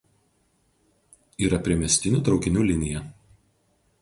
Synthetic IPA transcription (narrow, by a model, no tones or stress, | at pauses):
iːɾɐpʲɾʲiɛmʲɛsʲt̪ʲɪnʲuːt̪ɾɒʊkʲɪnʲuːlʲɪnʲɪjɛ